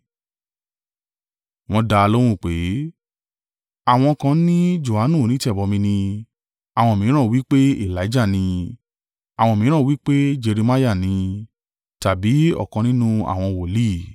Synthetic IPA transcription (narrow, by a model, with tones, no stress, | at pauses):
w̃ɔ̃˧da˧lo˦w̃ũ˦˨k͡pe˨˦ | a˦˨w̃ɔ̃˧kã˧nĩ˦d͡ʒo˨ha˨˦nũ˦˨nĩ˨˦tɛ˦˨bɔ˧mĩ˧nĩ˧ | a˨w̃ɔ̃˧˨mĩ˨˦ɾ̃ã˦˨wi˦k͡pe˦i˦˨la˨˦d͡ʒa˦˨nĩ˧ | a˨w̃ɔ̃˧˨mĩ˨˦ɾ̃ã˦˨wi˦k͡pe˦d͡ʒe˧ɾi˧ma˦ja˦˨nĩ˧ | ta˨bi˨˦ɔ̰˦˨kɔ̃˧nĩ˦nũ˦a̰˦˨w̃ɔ̃˧wo˨li˦˨